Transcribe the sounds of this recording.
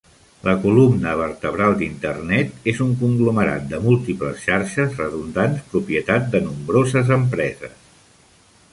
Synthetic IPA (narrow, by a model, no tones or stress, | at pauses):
lʔəkulumnəβ̞əɾt̪əβɾalˠd̪int̪ə̰rnɛt̪ezuŋkuŋɡluməɾa̰t̪̚d̪əmulˠt̪ipləsʃaɾʃəzrəðund̪anspɾupiət̪at̪̚d̪ənumbɾozəzəmpɾɛzə̰s